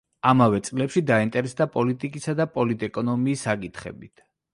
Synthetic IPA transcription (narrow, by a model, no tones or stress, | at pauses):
amavɛt̪sʼlɛpʃid̪aint̪ʼɛɾɛsd̪apʼɔlit̪ʼikʼisad̪apʼɔlid̪ɛkʼɔnɔmiːsːakʼit̪ʰχɛ̰bit̪ʰ